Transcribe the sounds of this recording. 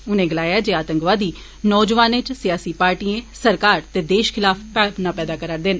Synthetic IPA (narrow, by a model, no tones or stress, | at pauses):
ʊnẽːɡəlaːjaːd͡ʒeːaːt̪əŋkʋaːd̪iː | nɔːd͡ʒʋaːnẽt͡ʃsɪjaːsiːpaːɾʈiːẽːsəɾkaːɾt̪eːd̪eːʃkʰɪlaːpʰpɛːpnãːpɛːd̪aːkəɾəɾd̪en